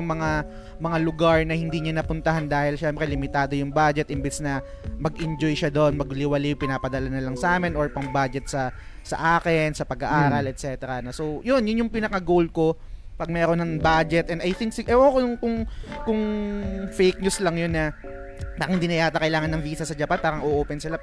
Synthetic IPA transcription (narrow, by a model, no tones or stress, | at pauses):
ʊŋmɐŋa | mɐŋalʊɡaɹnɐhɪnd̪iːɲɐnɐpʊnt̪ɐhand̪aːhɪlʃɛmpɾɛlɪmɪt̪aːd̪o̞jʊŋbad͡ʒɛt̪̚ʔɪmbɛsnɐ | mɐɡɪnd͡ʒojʃad̪onmɐɡlɪwɐlɪpɪnaːpɐd̪ɐlanɐlɐŋsʔaːmɪnʔoɹpɐŋbad͡ʒɛt̪̚sɐ | sɐ̰ʔaːkɪnsɐpɐɡɐʔaːɾɐlʔɛt̪̚sɛːt̪ɛɾɐnɐsowjonjʊnjʊŋpɪnɐkɐɡowl̚ko̞ | pɐɡ̚mɛːɾonɐŋbaːd͡ʒɛt̪̚ʔɛnd̪ɐjt̪ɪŋk̚sɪʔɛwakonŋkʊŋkʊŋfejk̚ɲuslɐŋjonːɐ | paːɾɐŋhɪnd̪inɐjaːt̪ɐkɐjlaːŋɐnːɐŋviːsɐsɐd͡ʒɐpanpaːɾɐŋʔoʔoːpɛnsɪla